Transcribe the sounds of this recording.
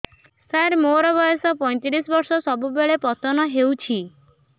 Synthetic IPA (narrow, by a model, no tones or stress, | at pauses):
saɾmoɾɔbɔjɔsɔpɔj̃t̪iɾisɔbɔɾsɔsɔbubeɭepɔt̪ɔnɔɦewt͡ʃʰi